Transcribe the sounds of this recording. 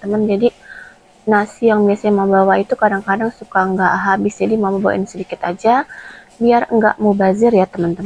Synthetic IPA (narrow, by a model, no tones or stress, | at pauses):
t̪əmənd͡ʒadi | nasijaŋbiasaɲamabawait̪ukadaŋkadaŋsukaəŋɡaʔɦabɪsd͡ʒadimauməmbawa̰ʔɪnsədikɪt̪ad͡ʒabiarŋɡa̰ʔmubazɪrjat̪əmənt̪əm